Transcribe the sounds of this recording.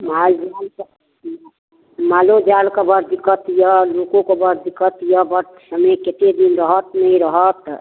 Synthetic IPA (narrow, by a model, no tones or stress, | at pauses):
mald͡ʒal | malod͡ʒalkəbəɾd̪ikət̪jəlokõkəbəɾd̪ikət̪jəbəɾ | səməket̪ed̪inɾəɦət̪nəĩɾəɦət̪